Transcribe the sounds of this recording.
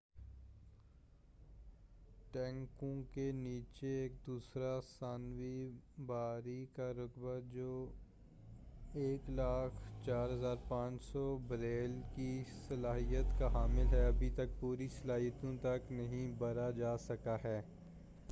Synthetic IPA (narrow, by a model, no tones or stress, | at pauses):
ʈɛ̃ːŋkõkeniːt͡ʃeeːk̚d̪uːsɾasaːnwibaːɾikaɾʊkbad͡ʒoː | eːklaːkʰt͡ʃaːɾɦɐzaːɾpãːt͡ʃsɔbɐɾeːlkisɐlaːɦijət̪kaɦaːmɪlɦɛɐbʱit̪ɐk̚puːɾisɐlaːɦijət̪õt̪ɐknɐɦĩbɐɾad͡ʒaːsɐkaɦɛː